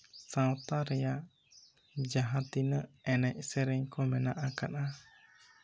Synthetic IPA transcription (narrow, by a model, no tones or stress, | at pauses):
sãwt̪aɾɛja | d͡ʒaɦat̪inəɛnɛcsɛɾɛɲkɔmɛnaʔakana